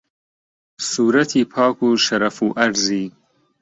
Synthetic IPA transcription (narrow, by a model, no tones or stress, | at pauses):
suːɾat̪ʰipʰɑːkuʃaɾafuʔaɖzi